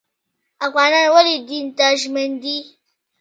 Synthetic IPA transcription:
ʔakʷaːnawalidintaʃ̬mɛndi

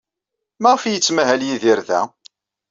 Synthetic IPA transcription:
mæʁfijət͡sːmæɦæljiðiɾðæ̰

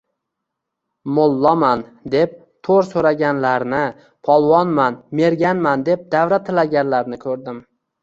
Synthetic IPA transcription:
molˠːɒmand̪e̞p̚ | t̪ʰoɾsoɾaɡʲanlaɾnɪ | pʰɒlˠvɒnmanme̞ɾɡʲanmand̪e̞p̚d̪avɾat̪ʰɪlaɡʲanlaɾnɪkʰɵɾd̪ɪm

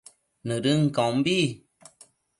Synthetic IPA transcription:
nəɾɨŋ̩kɔ̃mbi

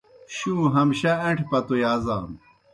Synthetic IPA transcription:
ɕũːɦɐmɕɐeɳʈʰpɐt̪ujaːza̰ːm

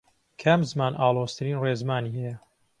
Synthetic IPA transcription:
kʰamzmaːnʔaːlˠoːst̪ʰɨɾiːnreːzmaːniːhɛjɐ

